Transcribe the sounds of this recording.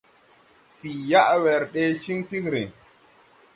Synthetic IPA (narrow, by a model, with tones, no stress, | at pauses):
fi˨ja˦ʔwɛ˨ɾɗe˦t͡ʃi˦ŋti˦kɾe˨